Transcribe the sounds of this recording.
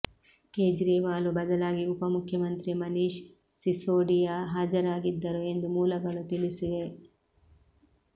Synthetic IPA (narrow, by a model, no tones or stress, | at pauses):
keːd͡ʒɾiːʋaːlubɐd̪ɐlaːɡiupɐmukʰjɐmɐnt̪ɾimɐniːʃ | sisoːɖijaɦaːd͡ʒɐɾaːɡid̪ːɐɾue̞nd̪umuːlɐɡɐɭut̪iliside